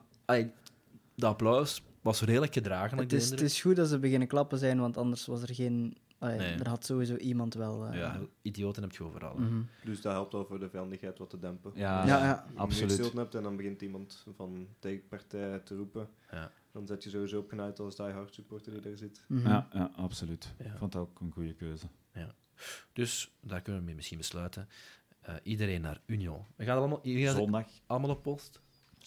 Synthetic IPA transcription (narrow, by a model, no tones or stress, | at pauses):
ɑle | dəɑplɔws | ʋɑsreːdələkxədraːɣənɛtɪsndətɪsxudɑtzəbəɣɪnəklɑp̚əzɛjnʋɑntɑndərsʋɑs̬ərɣeːn | ɑlendərɦɑtsoːʋizoːʔimɑntʋɛlˠja̰idijoːtənɦɛp̚txəoːvə̰rɑ̰lˠɦ̩dɵsdɑɦɛlˠp̚tʋɛlˠvoːrdəvɛjɑndəxɦɛjtʋɑtədɛmpəjajajaɑsolɪlˠtənɦɛp̚tɛndɑnbəɣɪntimɑntvɑnteːkpartɛːtərupə | ja | d̥ɑnzɛtjəzoʋizoːɔpxənœjtɑsdɛjɦɑrtsypɔrtərdidaːrzɪtjajaɑpsolytjafɔntokənɣujəkøːzə | ja | d̥ɵsdaːrkʏnəʋəmɛmɪsxinbəslœːtə | ə̰ʔidəɾeːnːa̰ːrynjoəɣaːtləmlazɔndɑxɑlˠəmaːlˠɔppɔst